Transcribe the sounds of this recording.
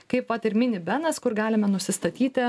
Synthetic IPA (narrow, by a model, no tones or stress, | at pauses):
kɐɪpʋɐt̪ɪɾmʲɪnʲɪbʲɛnɐskʊɾɡɑːlʲɪmɛnʊsʲɪst̪ɐt̪ʲiːtt̪ʲɪ